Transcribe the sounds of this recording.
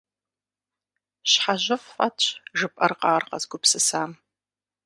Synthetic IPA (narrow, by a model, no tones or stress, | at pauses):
ɕħaʑɐffɐtʒɨpʼɐrqɑːrqɐzɡʷʊpsɨsaːm